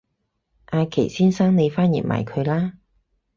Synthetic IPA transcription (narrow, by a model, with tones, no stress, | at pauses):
ʔaː˧jkʰḛ˨˩jsiː˥nsaː˥ŋne˨˧jfaː˥njḭ˨˩n̚ma̰ː˨jkʰɵ˨˧ɥlaː˥